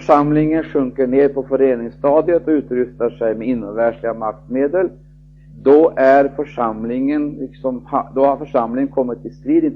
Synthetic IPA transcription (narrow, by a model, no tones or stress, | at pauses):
ʂamlɪŋənɧɵŋkəɳeːɾpʰɔfœɾeːnɪŋst̪ɑːd̪jət̪ɔʉ̟ːt̪ɾʏft̪aʂɛjmɛɪnːɔvæʂɭɪɡamak̚t̪meːd̪əl | d̪ɔʔæɾfœʂamlɪŋənlɪksɔmhad̪ɔhaɾfœʂamlɪŋənkʰɔmːɪt̪ːɪst̪ɾiːd̪ɪn